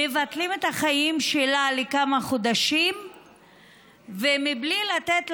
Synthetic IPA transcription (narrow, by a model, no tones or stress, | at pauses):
evat̪lime̞t̪aχajimʃelalekamaχod̪aʃim | vemiblilat̪et̪l